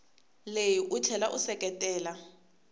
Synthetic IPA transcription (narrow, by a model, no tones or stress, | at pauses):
lejiʔut͡ɬʰɛlaʔusɛkʼɛtʼɛːla